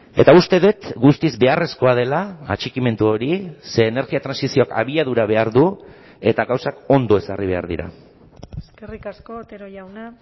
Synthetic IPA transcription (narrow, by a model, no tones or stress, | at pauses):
e̞t̪aust̪e̞ðuet̪ɡust̪izbe̞are̞sko̞að̞e̞la̰ːt͡ʃikime̞nt̪uo̞ɾise̞ːne̞ɾɣiat̪ɾansisio̞aka̰βiaðuɾaβ̞e̞aɾðu | e̞t̪aɣawsako̞nd̪o̞e̞sariβ̞e̞a̰ɾðḭɾa̰ | eskerikasko̞t̪eɾojawna